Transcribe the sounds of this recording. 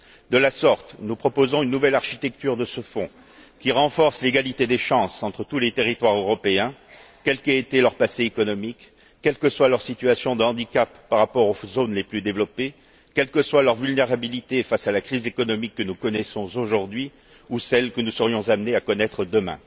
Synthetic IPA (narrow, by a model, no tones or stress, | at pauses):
d̪əlasɔʁt̪nupχɔpozɔ̃ynːuvɛlaʁʃit̪ɛk̚t̪yʁd̪əsəfɔ̃ | kʲiʁɑ̃fɔʁsleɡalit̪ed̪eʃɑ̃sɑ̃t̪χət̪ulet̪eʁit̪waʁøʁɔpeɛ̃ | kʲɛlkeet̪elœʁpaseekɔnɔmik | kːɛlkəswalœʁsit̪yasjɔ̃d̪əɑ̃d̪ikapːaʁapɔʁozonleplyd̪evlɔpe | kʲɛlkəswalœʁvylneʁabilit̪efasalakχizekɔnɔmikːənukɔnɛsɔ̃zoʒuʁd̪ɥi | usɛlkənusəʁjɔ̃zamneakɔnɛt̪χəd̪əmɛ̰̃